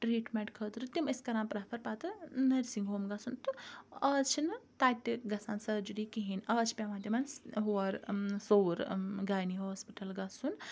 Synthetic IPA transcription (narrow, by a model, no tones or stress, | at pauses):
ʈɾiːʈmẽɳʈkʰət̪ɾɨt̪imiskɐɾaːnpɾapʰɐɾpat̪ɨnɐɾsiŋɡɦoːmɡɐsunt̪ɨɐːt͡ʃʰinɨt̪aːt̪ʲːiɡɐsaːnsɐd͡ʒuɾikiɦinɐːt͡ʃʰpʲamaːd̪ʲɐmanɦuɐɾsoːɾɡaːjniɦoːspiʈɐlɡɐsun